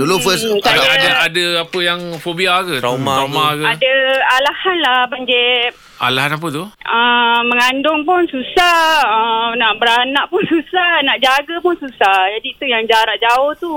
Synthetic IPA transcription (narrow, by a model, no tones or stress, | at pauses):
dolofəssaadaadəapəjaŋfobiakət̪amaamakadaalahanlabaɲd͡ʒɛ | a̰laɦanap̬ət̪uəməŋandʊŋpʊnsusaənaʔbəɾanãʔpʊnsusahnaʔd͡ʒaɡapʊnsusahd͡ʒadiːt̪ujaŋd͡ʒaɾaʔ̚d͡ʒaʊht̪u